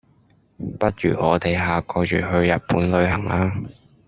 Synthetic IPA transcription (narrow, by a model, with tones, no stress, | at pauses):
pɐ˥t̚ɥy̰ː˨˩ʔɔː˨˧t̪e˨˩jɦaː˨kɔː˧t͡ʃyː˨˩ɦɵ˧ɥjɐ˨t̚puː˨˥nlɵ˨˧ɥɦɐ˨˩ŋʔaː˧